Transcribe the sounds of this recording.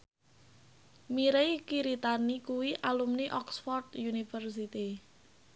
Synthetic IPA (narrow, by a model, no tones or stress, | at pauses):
miɾejkiɾit̪anikuwiʔalumniʔɔksfɔrd̪junifərsit̪i